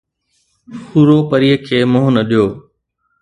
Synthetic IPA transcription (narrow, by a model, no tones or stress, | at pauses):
huːɾoːpəɾiːəkʰeːmʊɦʊnəɗijoː